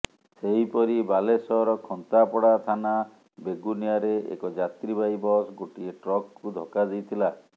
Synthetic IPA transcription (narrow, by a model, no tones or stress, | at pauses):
seɦipɔɾibalesɔɾɔkʰɔnt̪apɔɽat̪ʰana | beɡunijaɾeḛkɔd͡ʒat̪ɾibajbɔsɡoʈieʈɾɔkkːud̪ʱɔkad͡ʒijt̪ʰila